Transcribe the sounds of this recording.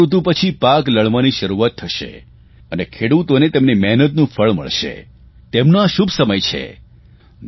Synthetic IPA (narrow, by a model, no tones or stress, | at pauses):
ut̪̬ũpət͡ʃʰipakləɭʋaniʃəɾuʋat̪ʰːəʃḛ | ənekʰeɽut̪onet̪emnimɛɦnət̪nũfʰəɭmə̰ɭʃḛ | t̪emnaʃubʱsəməjt͡ʃʰḛ